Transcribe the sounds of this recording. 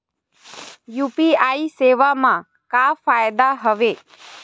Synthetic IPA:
jupiaiseʋamã | kafajd̪aɦəʋe

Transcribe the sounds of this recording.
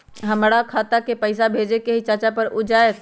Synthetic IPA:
ɦəmɽakʰaːt̪akepəɪsabʱeːd͡ʒekeɦit͡ʃaːt͡ʃapəɾʊd͡ʒaet̪

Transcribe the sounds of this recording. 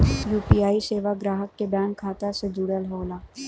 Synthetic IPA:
juːpiaːiseːʋaɡɾaːɦəkːebɛ̃ːŋkʰːaːt̪ased͡ʒ̪uːɽəlɦoːlaː

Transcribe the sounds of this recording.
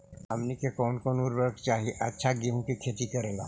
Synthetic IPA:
əmnikekɔːnkonuɾʋəɾkt͡ʃaɦiʔətːʃʰaɡiɦũkikʰet̪ikəɾela̰

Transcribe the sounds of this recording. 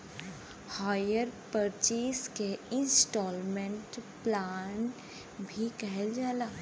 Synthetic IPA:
haːjəɾpəɾt͡ʃiːskeɪ̃nsʈɔːlmẽɳʈplaːn | bʱikɛɦeld͡ʒaːlaː

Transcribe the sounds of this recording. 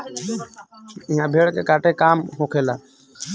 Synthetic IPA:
ijãbʱeɭkɛkaʈɛkamhokʰɛla

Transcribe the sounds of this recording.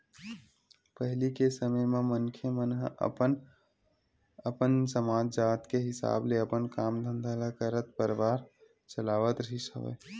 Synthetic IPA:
pəɦlikesəməjmẽmənkʰemənɦən | əpənsəmaːd͡ʒd͡ʒaːt̪keɦɪsa̰ːbleəpənkaːmd̪ʱə̃nd̪ʱalakəɾət̪pəɾʋaːɾ | t͡ʃəlaːʋət̪ɾəɦisə̰ʋḛː

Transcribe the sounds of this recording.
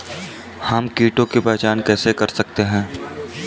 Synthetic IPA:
hɐmkiːʈõkepɛːt͡ʃaːnkɛːsekɐɾsɐk̚t̪eɦɛ̃ː

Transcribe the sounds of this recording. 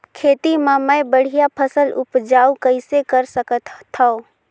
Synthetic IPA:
kʰeːt̪imaməebəɽ̤ijapʰəsəlʊpd͡ʒaːukəɪsekəɾsəkət̪t̪ʰːao

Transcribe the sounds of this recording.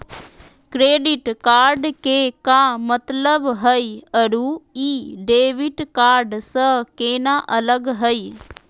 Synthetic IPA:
kɾeːɖiʈkaːɾɖkekãːmət̪ləbɦəiɐɾuiːɖeːʋiʈkaːɾɖsəkeːnaʔɐləɡɦəj

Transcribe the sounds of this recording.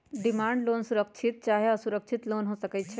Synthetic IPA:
ɖimãːɳɖloːnsuɾəkt͡ʃʰɪt̪̚t͡ʃaːɦeɐsuɾəkt͡ʃʰɪt̪loːnɦoːsɐkət͡ʃʰe

